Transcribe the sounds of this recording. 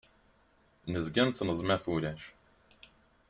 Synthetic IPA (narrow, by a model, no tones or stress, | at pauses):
nəzɡʲænt͡sːnəzˤmæfuɾæʃ